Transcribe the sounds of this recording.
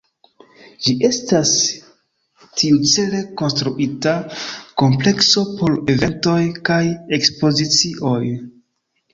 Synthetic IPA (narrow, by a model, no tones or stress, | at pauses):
d͡ʒiʔe̞stas | tʰiut͡se̞le̞ko̞nstɾuʔitako̞mple̞kso̞po̞ɾe̞ve̞nto̞jkaje̞kspo̞zit͡siʔo̞j